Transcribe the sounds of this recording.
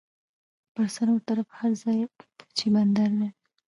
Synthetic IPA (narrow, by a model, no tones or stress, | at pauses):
pəɾsaɾwət̪aɾafhaɾzɑjə̥t͡ʃiband̪aɾd̪e